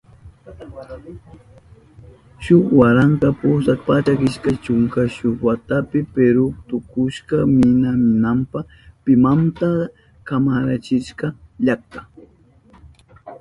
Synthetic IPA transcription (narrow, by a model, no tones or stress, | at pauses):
ʃʊχwaɾaŋkapʊsakpat͡ʃakɪʃkat͡ʃʊŋkaʃʊχwat̪apɪpeɾʊt̪ʊkʊʃɢɑmɪnamɪnampaχ | pɪmant̪a | kamaɾat͡ʃɪʃkɑʎak̚t̪ḁ